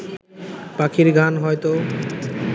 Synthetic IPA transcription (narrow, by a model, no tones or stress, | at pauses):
pakʰiɾɡʱanɦɔjt̪o